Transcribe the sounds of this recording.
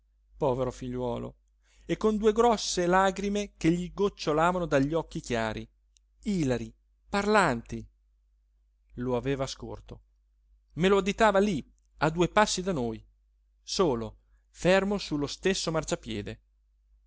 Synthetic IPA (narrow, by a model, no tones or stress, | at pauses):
pɔːveɾofiʎːwɔːlo̰ | ekːond̪uːeɡɾɔsːelaːɡɾimekeʎːiɡot͡ʃːolaːvanod̪aʎːɔkːikjaːɾi | iːlaɾi | parlant̪i | loaveːvasko̰rt̪o | meload̪it̪aːvali | ad̪uːepasːid̪anoj | soːlo | fermosulːost̪esːomart͡ʃapjɛːd̪e